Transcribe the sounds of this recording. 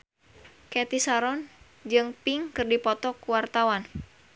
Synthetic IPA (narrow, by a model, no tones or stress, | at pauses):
kɛt̪isaɾɔn | d͡ʒɨŋpiŋkɨrdipɔt̪ɔkuwart̪awan